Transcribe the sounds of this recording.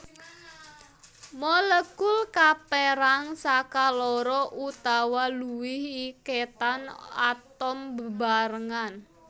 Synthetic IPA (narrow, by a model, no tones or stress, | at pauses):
mɔləɡʊlkapeɾaŋsakalɔɾɔʔut̪awaluwɪhiket̪ana̰t̪ɔmbəbaɾəŋan